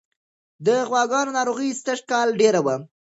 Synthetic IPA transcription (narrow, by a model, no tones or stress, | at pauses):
d̪əɣwɑɡɑnonɑɾoɣist̪əʂkɑlɖeɾawa